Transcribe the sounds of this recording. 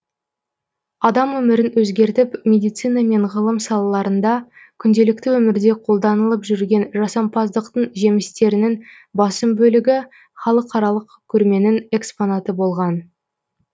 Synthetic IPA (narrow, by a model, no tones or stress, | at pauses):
ɑd̪ɑmwɵmɪɾɪnwɵzɡʲe̞ɾt̪ɪpmʲe̞d̪ijt̪sijnɑme̞ɴʁəlˠəmsɑlˠɑlˠɑɾənd̪ɑ | kʲʰʏnd̪e̞lɪk̚t̪ɪwɵmɪɾd̪e̞qʰo̞lˠd̪ɑnəlˠəpʒʏɾɡʲe̞nʒɑsɑmpɑzd̪əqt̪əɴʒe̞mɪst̪e̞ɾɪnɪŋ | bɑsəmbɵlɪɡʲɪ | χɑlˠəqɑɾɑlˠəqkʲʰɵɾme̞nɪŋe̞ksponɑt̪əbo̞lˠʁɑn